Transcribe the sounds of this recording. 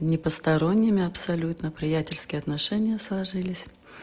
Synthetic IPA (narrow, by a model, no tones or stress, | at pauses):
nʲɪpəst̪ɐɾo̞nʲːɪmʲɪɐpsɐlʲut̪nəpɾʲɪjætʲɪlʲskʲɪjɐt̪nɐʂɛnʲɪjəslˠɐʐɨlʲɪsʲ